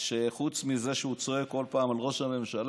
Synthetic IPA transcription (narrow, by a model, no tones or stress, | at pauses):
ʃeχut͡smize̞ʃeut͡so̞ekːo̞lpaːmalʁo̞ʃame̞mʃal